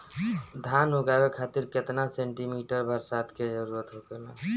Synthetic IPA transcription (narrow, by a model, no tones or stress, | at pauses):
d̪ʱanoɡabekʰat̪iɾket̪nasẽɳʈimiʈəɾbʱəɾsat̪ked͡ʒəɾuɾət̪ɦoɡela̰